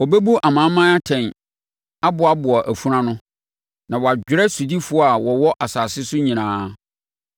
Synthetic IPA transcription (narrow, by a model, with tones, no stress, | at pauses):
ɔ˨be˦bu˦ʔa˨mã˨˦mã˦a˦tʰɛ̃˨n | a˦bʊ˨a˦bʊ˨a˨ʔæ˨fu˦ɾã˦nʊ̃˦ | nã˨wɔ˨a˨d͡ʑᶣɪ˦ɾɛ˦su˨di˦fʊ˦a˨wɔ˨wɔ˦ʔa˨saː˨sɪ˦sʊ˦ɲĩ˨nãː˦